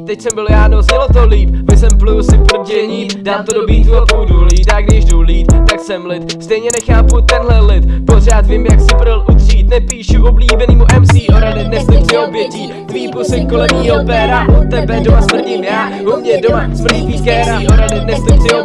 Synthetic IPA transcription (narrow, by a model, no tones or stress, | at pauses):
t̪ɛcsɛmbɪljaːnosɪlot̪oliːp̚vɪsɛmplusɪpr̩ɟɛɲiːdaːmt̪odobɾiːt̪uopuduliːt̪aɡdɪʒduliːt̪t̪aksɛmlɪt̪st̪ɛjɲɛnɛxaːput̪ɛnɦlɛlɪt̪por̝aːt̪vimjaksɪpɾ̩lʔud̪riːt̪nɛpiːʃuvobliːbɛniːmuʔɛmsiːʔoɾadɛt̪nɛft̪ət͡sɪobjɛciː | t̪viːpusɪk̚kolɛmiːɦopɛɾaʔot̪ːɛbɛdomasmr̩ɟɪmjaːɦumɲɛdomasm̩it̪iːkɛːɾaoɾadɛt̪nɛft̪ət͡sɪo